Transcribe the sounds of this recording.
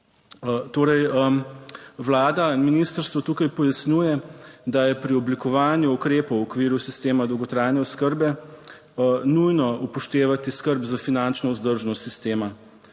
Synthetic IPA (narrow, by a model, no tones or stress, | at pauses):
t̪oːɾɛjəmʋlaːd̪aminist̪əɾst̪ʋɔt̪uːkajpɔjasnjuːjɛd̪ajɛpɾiɔblikɔʋaːnjuukɾeːpɔwɔkʋiːɾusist̪eːmad̪ɔwɡɔt̪ɾaːjnjɛɔskəɾbɛ | nujnɔupɔʃt̪eːʋat̪iskəɾbzafinant͡ʃnɔuzd̪əɾʒnɔst̪sist̪eːma